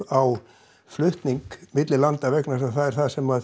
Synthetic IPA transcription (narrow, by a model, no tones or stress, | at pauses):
aw | flʏht̪niŋkmɪt̪lɪlant̪avɛknas̬aθaðɛɾ̥θaðsɛmað